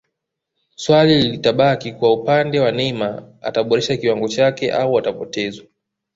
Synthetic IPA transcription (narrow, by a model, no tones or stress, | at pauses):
swalililitaɓakikuwaupandɛwanɛma | a̰taɓɔɾɛʃakiwaŋɡɔt͡ʃakɛʔauatapɔtɛzwa